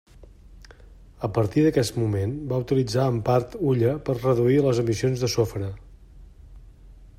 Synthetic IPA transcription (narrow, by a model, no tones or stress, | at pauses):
əpəɾt̪iðəkɛst̪mumenbaut̪ilid͡zaəmpaɾt̪uʎəpərrəðuiləzəmisionzðəsofɾə